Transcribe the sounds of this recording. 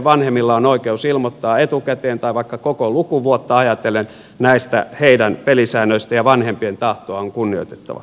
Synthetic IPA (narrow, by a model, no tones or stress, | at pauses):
ʋɑnhemːilːɑonoikeusilmot̪ːɑːet̪ukæt̪eːnt̪ɑiʋɑikːɑkokolukuʋuot̪ːɑɑjɑt̪elen | næist̪æ̰heidænpelisæːnøist̪æjɑʋɑnhempient̪ɑht̪oɑoŋkunːio̰it̪e̥t̪ːɑ̰ʋɑ̰